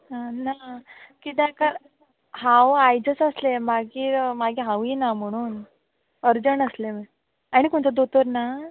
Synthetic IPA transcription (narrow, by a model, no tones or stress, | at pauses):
ənakit̪ãkəɾ | ɦãwajd͡ʑəsəslemaɡiːɾmaɡiɦãʋinam̤əɽ̃uːn | əɾd͡ʑənəslem | aɽ̃ikuɳt̪əd̪ot̪əɾna